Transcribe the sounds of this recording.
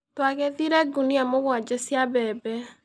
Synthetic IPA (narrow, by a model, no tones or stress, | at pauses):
twaɣeðiɾɛɡuniamoɣwad͡ʒesjaβɛbɛ